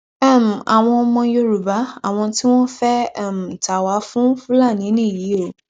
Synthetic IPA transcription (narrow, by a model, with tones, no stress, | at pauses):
ɛ˦˨m̩˨a̰˨w̃ɔ̃˧mɔ̃˧jo˧ɾu˨ba˨˦a˦˨w̃ɔ̃˧ti˦w̃ɔ̃˦fɛ˦˨m̩˨ta˨wa˨˦fũ˦fũ˦la˦˨nĩ˨˦nĩ˦˨ji˨˦o˦˨